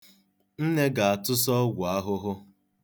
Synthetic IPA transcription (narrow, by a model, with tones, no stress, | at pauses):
n̩˦ne˦ɡa˨a˨tʊ˦s̬ɔ˦ɡʷʊ˨a˦ɦʊ˦ɦʊ˦